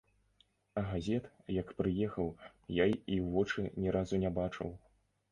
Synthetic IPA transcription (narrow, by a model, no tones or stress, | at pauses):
ɐɣazʲɛt̪jɐkpɾɨjɛxɐwjajiwvɔt͡ʂɨnʲɛɾazunʲabat͡ʂɨ̰w